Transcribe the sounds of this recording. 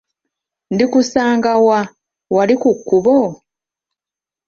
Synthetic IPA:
ndikusaːŋɡawa | walikukːuβo

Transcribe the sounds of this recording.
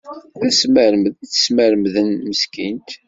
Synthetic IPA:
θæsməɾmθə̥sməɾmðənməskint̪

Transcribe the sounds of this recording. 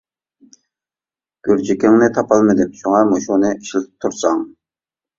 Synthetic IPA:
ɡ̥ʲyɾd͡ʒikʲɪŋnɪt̪ʰɑpɑlˠmɨd̪ɪmʃoŋɑɾmoʃonɨiʃilt̪ʰɪ̥p̚t̪ʰuɾsɑŋ

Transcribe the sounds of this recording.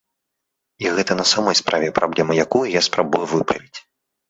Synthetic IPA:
iɣɛt̪ɐnɐsamɔjspɾʔavʲɛpɾablʲɛmɨjakujujaspɾabujuvɨpɾɐ̰vʲit͡sʲ

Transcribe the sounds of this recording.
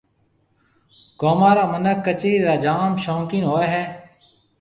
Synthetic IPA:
ɡoːmaːɾaːmənəkːət͡ʃiːɾaːd͡ʒaːmʃõːŋkɪnɦoːeːɦɛː

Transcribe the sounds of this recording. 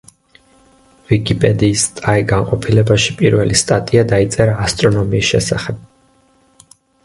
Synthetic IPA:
vikʼipʼɛd̪iːst̪ʼaiɡanqʼɔpʰilɛbaʃi̥pʼiɾvɛlist̪ʼat̪ʼiad̪ait̪sʼɛɾaːst̪ʼɾɔnɔmiːsʃɛsaχɛb̥̚

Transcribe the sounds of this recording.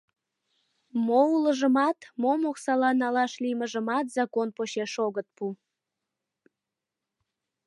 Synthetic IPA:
mouləʒəmɑt̪momoksɑlɑnɑlɑʃliməʒəmɑt̪zɑkonpoɕeʃoɣət̪̚pu

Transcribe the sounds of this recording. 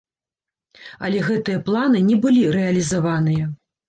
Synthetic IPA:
ɐ̰lʲɛɣɛt̪ɨjɐplˠanɨnʲɛbɨlʲiɾɛɐlʲizavanɨjɐ

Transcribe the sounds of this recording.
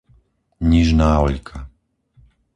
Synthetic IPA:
ɲiʒnaːɔʎkʰa

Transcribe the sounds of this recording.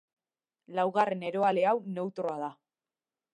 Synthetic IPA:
lawɣare̞ne̞ɾo̞ale̞awne̞wt̪ɾo̞að̞a

